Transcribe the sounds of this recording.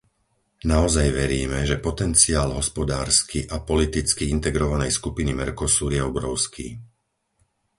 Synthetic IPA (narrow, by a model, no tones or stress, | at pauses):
naɔzajʋɛɾiːmɛʒɛpɔt̪ɛnt͡siaːlɦɔspɔd̪aːɾskiʔapɔlit̪it͡skiint̪ɛɡɾɔʋanɛjskupinimɛɾkɔsuːɾjɛɔbɾɔʊskʰḭː